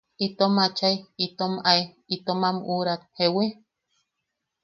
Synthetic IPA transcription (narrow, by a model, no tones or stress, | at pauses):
it̪omat͡ʃaiit̪omai | it̪omamuɾat̪̚hewe